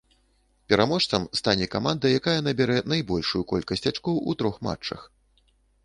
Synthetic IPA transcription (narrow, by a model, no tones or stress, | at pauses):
pʲɛɾamɔʂt̪sɐmst̪anʲɛkamand̪ɐjakajɐnɐbʲɛɾɛnajbɔlʲʂujukɔlʲkɐsʲt͡sʲat͡ʂkɔwʔut̪ɾɔxma̰t͡ʂt͡ʂːɐ̰x